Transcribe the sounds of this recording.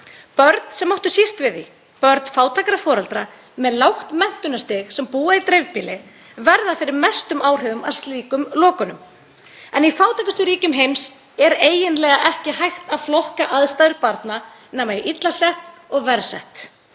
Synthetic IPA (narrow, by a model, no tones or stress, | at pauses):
pœɾt̪n̥sɛmːɔht̪ʏsist̪vɪðḭ | pœɾt̪n̥faːwt̪ʰaːkaɾafɔːɾalt̪ɾa | mɛðlawxt̪mɛn̥t̪ʏnast̪ɪxsɛmpuːait̪ɾejvpiːlɪ | vɛɾðafɪɾɪɾmɛst̪ʏmaːwr̥ɛvʏmal̥t̪liːkʏmlɔːkʏnʏm | ɛnifaːwt̪ʰajkast̪ʏɾiːcʏmɦejms | ɛɾeːjɪnlɛːɣaʔɛhcɪhajxt̪aðflɔhkaʔaðst̪ajðɪɾpaɾt̪na | nɛːmaiʔit̪lasɛht̪ɔɣvɛɾsɛ̰ht̪